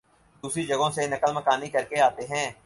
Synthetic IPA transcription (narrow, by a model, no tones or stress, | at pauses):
d̪uːsɾid͡ʒɐɡõsenɐkəlmɐkaːnikɐɾkeaːt̪eɦɛ̃ː